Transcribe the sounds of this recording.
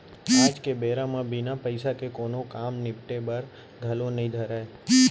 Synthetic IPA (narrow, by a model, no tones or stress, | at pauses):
ad͡ʒkebeɾãmãbinapəɪjsakekonokamnɪpʈebəɾ | d̪ʱəlonəɦĩd̪ʱəɾae